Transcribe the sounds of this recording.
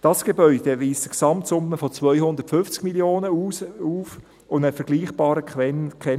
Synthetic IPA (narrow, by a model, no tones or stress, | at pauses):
d̥ɑsɡ̥ebœʏdeviːstəksɑmtsʊmːəfɔt͡svœʏhʊndəɾtfʏnft͡sɡ̥miljoːnəuuːf | ʊnəfəɾɡliːχb̥ɑːɾəkɛ